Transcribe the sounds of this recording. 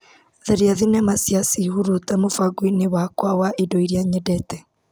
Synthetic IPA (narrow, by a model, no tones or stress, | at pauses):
ðeɾiaðinɛmasjasihuɾutamofaɡwinewakwawaʔidoiɾjaɲedɛtɛ